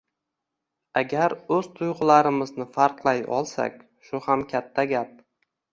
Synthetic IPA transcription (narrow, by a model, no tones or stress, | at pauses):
aɡʲaɾɵz̥t̪ʰʊjʁʊlˠaɾɪmɪznɪfaɾqlˠajɒ̰lˠsa̰kʲ | ʃʊhamkʲʰat̪ʰːaɡʲap̚